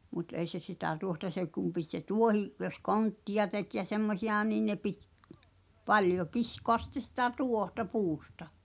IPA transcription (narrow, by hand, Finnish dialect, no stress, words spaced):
mut ei se sitæ tuohtɑ se kum pit se tuohiʔ jos kontːijɑ tek jɑ semːosij̆ɑˑ nin ne pit pɑljo kiskoɑs sĭtˑe sitæ tuohtɑ puːstɑ